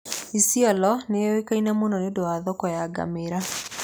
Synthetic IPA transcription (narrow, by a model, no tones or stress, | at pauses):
isiɔlɔnewekainamonɔnedoaðɔkɔjaɡa̰meɾa